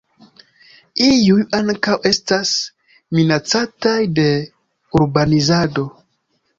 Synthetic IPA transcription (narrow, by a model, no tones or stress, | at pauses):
ijujaŋkawe̞stas | minat͡satajde̞ | uɾbanizado̞